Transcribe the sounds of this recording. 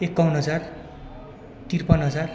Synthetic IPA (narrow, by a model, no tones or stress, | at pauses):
ekːʌwnɦʌd͡zar | t̪irpʌnɦʌd͡zar